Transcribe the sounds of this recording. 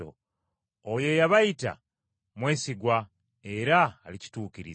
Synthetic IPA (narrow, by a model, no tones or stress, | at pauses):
o̰ | ojo̞jaβajita̰ | mwe̞ːsiɡwa | e̞ɾaːlici̥tuːciɾḭ